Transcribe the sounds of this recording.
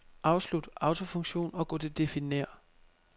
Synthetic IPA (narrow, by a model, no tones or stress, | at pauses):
ʔɑ̈ʊslud̥ɑ̈ʊt͡sʰo̝fɔ̽ŋɕo̝̰ːnɒ̽ɡ̥ɔd̥e̝d̥e̝fine̝̰ɐ̰